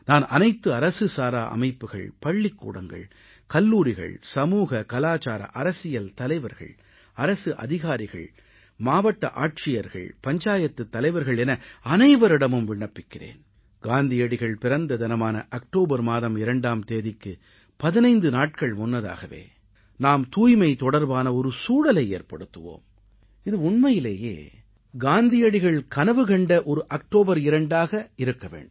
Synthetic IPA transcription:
naːnɐ̰nɐɪt̪ːɯɐɾɐsɯsaːɾaːʔɐ̰mɐɪpːɯɣɐ̰ɭpɐɭːɪkːṵːɽɐŋɡɐ̰ɭ | kɐlːuːɾɪɣɐ̰ɭsɐmuːɣɐkɐlaːt͡ʃaːɾɐ̰ʔɐɾɐsɪjɐlt̪ɐlɐɪʋɐɾɣɐ̰ɭ | ɐɾɐsɯʔɐ̰ðɪɣaːɾɪɣɐ̰ɭ | maːʋɐʈːɐ̰ʔaːʈ̚ʂɪjɐɾɣɐ̰ɭpɐɲd͡ʒaːjɐt̪ːɯt̪ːɐlɐɪʋɐɾɣɐɭɛnɐɐnɐɪʋɐɾɪɽɐmɯmʋɪɳːɐpːɪkːɪrḛːn | ɡ̥aːnd̪ɪjɐɽɪɣɐɭpɪɾɐnd̪ɐd̪ɪnɐmaːnɐ̰ʔɐk̚ʈoːbɐɾmaːðɐmɪɾɐɳɖaːmt̪eːðɪkːɯ | pɐðɪnɐɪnd̪ɯnaːʈ̚kɐɭmʊnːɐða̰ːɣɐʋḛː | naːmt̪uːjmɐɪt̪ɔɽɐɾbaːnɐɔɾɯsuːɽɐlɐɪḛːɾpɐɽɯt̪ːɯʋo̰ːm | ɪðɯʊɳmɐjɪleːjḛː | ɡaːnd̪ɪjɐɽɪɣɐɭkɐnɐʋɯkɐɳɖɐʔɔɾɯʔɐk̚ʈoːbɐɾɪɾɐɳɖaːɣɐɪɾɯkːɐʋḛːɳɖɯm

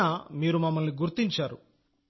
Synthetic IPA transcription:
aːmiːɾumɐmːɐlniɡuɾt̪iɲt͡ʃaːɾu

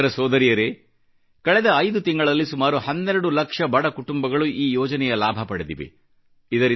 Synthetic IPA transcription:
ɐɾɐsɔːd̪ɐɾijɐɾe | kɐɭɛd̪ɐːjd̪ut̪iŋɡɐɭɐlːisumaːɾuhɐnːɛɾɐɽulɐkʂɐbɐɽɐkuʈumbɐɡɐɭuʔiːjɔːd͡ʒɐnɛjɐlaːbʱɐpɐɽed̪iʋḛ | id̪ɐɾi

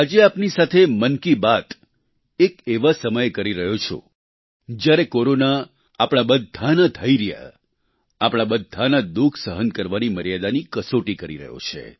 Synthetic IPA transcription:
ɦad͡ʒeapnisat̪ʰemənkibat̪ | ekeʋasəməjkəɾiɾəɦot͡ʃʰo̰ | d͡ʒjaɾekoɾona | apɽ̃abəd̪ʱːanat̪ʰəiɾja̰ | apɽ̃abəd̪ʱːanad̪ukʰsəɦənkəɾʋaniməɾjad̪anikəsoʈikəɾḭɾə̰ɦjo̰t͡ʃʰḛ

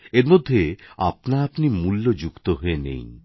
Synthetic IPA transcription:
eɾmod̪ʱːea̰pnaapnimulːod͡ʑukt̪oɦoenḛj

